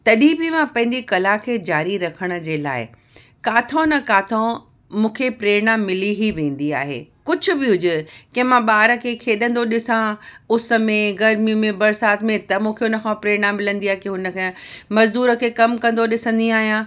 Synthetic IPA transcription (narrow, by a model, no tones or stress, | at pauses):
t̪ɐɗĩbɪmãpɐ̃ɦɪ̃ɲd͡ʑikɐlakʰeːd͡ʑaːɾiɾɐkʰəɽ̃ə̆d͡ʑeːla̰ːɪ | kaːt̪ʰõnɐkaːt̪ʰõ | mũːkʰepɾeːɽ̃amɪliɦiʋẽːn̆d̪ia̰ːɦḛːkʊd͡ʑʱʊ̆bɪɦʊd͡ʑʊkɐ̃ɦmãɓaːɾə̆kʰeːkʰeːɗə̃nd̪oɗɪsãʊsə̆mẽɡɐɾmimẽbɐɾsaːt̪ʰmẽt̪ɐmũːkʰeʊnəkʰãpɾeːɽ̃amɪlə̃nd̪iaːɦekeɦʊnə̆kʰẽmɐzd̪uːɾəkʰeːkɐmkɐ̃nd̪oɗɪsə̃n̆d̪iaːɦijãː